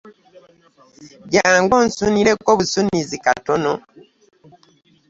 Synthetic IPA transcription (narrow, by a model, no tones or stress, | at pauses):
ɟaːŋɡɔn̩suniɾɛkɔβusunizika̰tɔnɔ